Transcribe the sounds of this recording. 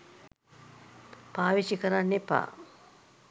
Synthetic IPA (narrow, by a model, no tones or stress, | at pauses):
paːʋiʃikəɾanːepa̰ː